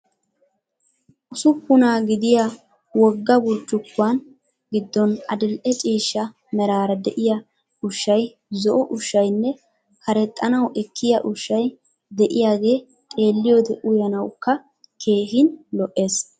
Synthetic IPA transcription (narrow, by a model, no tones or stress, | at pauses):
ʔʊsʊpːʊnaːɡɪd̪ɪja | wɔɡːɐwʊɾt͡ʃːʊkːʊaːn | ɡɪd̪ːɔnɐ̰d̪ɪlʔɛt͡ʃʼiːʃːɐ | mɛɾaːɾɐd̪ɛʔɪjɐ | ʔʊʃːɐj | zɔʔɔʔʊʃːɐjnːɛ | kɐɾɛt̪ʼːɐnɐwʔɛkʰːɪjɐʔʊʃːɐj | d̪ɛʔɪjaːɡe̞ː | t̪ʼe̞ːlːɪjoːd̪ɛʔʊjɐnɐwkːɐ | kʰe̞ːhɪnlɔʔːe̞ːs